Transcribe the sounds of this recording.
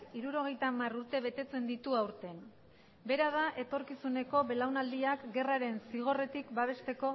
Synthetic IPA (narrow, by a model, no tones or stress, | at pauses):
kiɾuɾo̞ɣ̞e̞jt̪amaruɾt̪e̞β̞e̞t̪e̞t͡se̞nd̪it̪uawɾt̪e̞n | be̞ɾaðaʔe̞t̪o̞ɾkisune̞ko̞βe̞lawnald̪iakɡe̞raɾe̞nsiɣ̞o̞re̞t̪ikbaβ̞e̞st̪e̞ko̞